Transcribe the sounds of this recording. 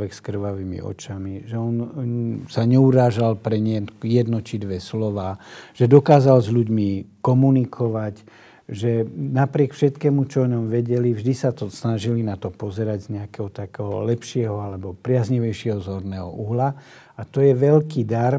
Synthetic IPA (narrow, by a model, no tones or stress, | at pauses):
ʋɛkskr̩ʋaʋimḭɔ̰t͡ʃamiʒɛɔnsaɲɛuɾaːʒalpɾɛɲɛjɛd̪nɔcid̪ʋɛslɔʋaːʒ̥ɛd̪ɔkaːzalzʎuɟmikɔmunikʰɔʋac | ʒɛnapɾɪɛkfʃɛt̪kɛːmut͡ʃɔɔɲɔmʋɛɟɛlivʒd̪isat̪ɔsnaʒilinat̪ɔpɔzɛɾaɟzɲɛakɛɦɔt̪akɛɦɔ̰lɛpʃɪɛɦɔalɛbɔpɾɪazɲiʋɛjʃɪɛɦɔzɦɔɾnɛːɦɔ̰ʔuɦla | at̪ɔjɛʋɛlkiːd̪aɾ